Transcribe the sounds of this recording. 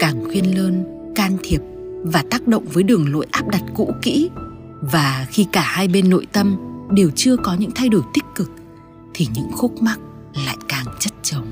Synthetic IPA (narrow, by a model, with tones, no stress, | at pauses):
kaː˨˩ŋxwi˧ənləː˧n | kaː˧nt̪ʰi˨˩əp̚vaː˨˩t̪aː˦˥k̚ɗə̰˧˨wŋ͡mvəː˨˦jɗɨ˨˩əŋlo̰˧˨jʔaː˦˥p̚ɗa˨˩t̚kṵ˧˥kḭ˧˥ | vaː˨˩xi˧kaː˧˩haː˧jɓe˧nːo̰˧˨jt̪ə˧mɗe˨˩wt͡ɕɨ˧əkɔ˨˦ɲɨ̰˧˥ŋt̪ʰa˧jɗo˧˩jt̪ï˦˥k̟̚kːɨ˨˩k̚ | t̪ʰi˨˩ɲɨ̰˧˥ŋxu˦˥k͡p̚ma˦˥k̚ | la̰ː˧˨jkaː˨˩ŋt͡ɕə˦˥t̚t͡ɕə˨˦wŋ͡m